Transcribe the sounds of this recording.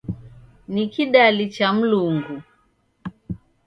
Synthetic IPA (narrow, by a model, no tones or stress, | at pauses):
nikiɗalit͡ʃam̩luŋɡu